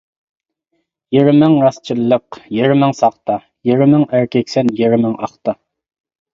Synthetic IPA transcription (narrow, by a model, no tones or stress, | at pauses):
jiɾɪmɪŋɾɑst͡ʃʰilˠːəqjiɾɪmɪŋsɑχt̪ɑ | jiɾɪmɪŋæɾkʲʰɛkʲsɛnjiɾɪmɪŋɑχt̪ɑ